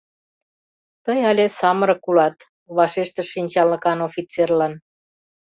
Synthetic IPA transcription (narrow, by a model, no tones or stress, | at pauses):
t̪əjɑlʲesɑməɾɤ̆kulɑt̪ | βɑʃeʃt̪ə̆ʃːinʲt͡ɕɑlnəkɑnofit͡serlɑn